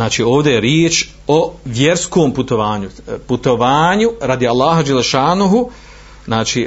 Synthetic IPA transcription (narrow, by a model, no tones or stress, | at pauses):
naːt͡ʃiːo̞ːʋd̪ejeɾjeːt͡ʃ | oʋje̞ɾskoːmput̪o̞ʋaːɲuput̪oʋaːɲuɾad̪ialˠːaːɦad͡ʒelːeʃaːnuɦu | znaːt͡ʃiː